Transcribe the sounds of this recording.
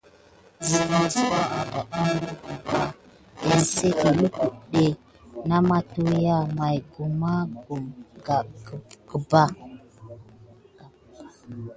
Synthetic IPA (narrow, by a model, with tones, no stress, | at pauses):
zi˨fa˨su˦wa˦a˨da˨ʔa˦m˦u˦ku˨ba˨ | e˨n˨se˦ka˨lu˦ku˨ɗe˨ | na˦ma˦tu˦ja˦ma˨jɡu˨ma˦ɡu˨mɡa˨ɡə˨ba˦